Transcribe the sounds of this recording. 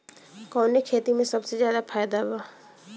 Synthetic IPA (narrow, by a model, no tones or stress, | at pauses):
kɔːnekʰeːt̪imẽsɐbsezjaːd̪afʰaːjd̪aɦʊaː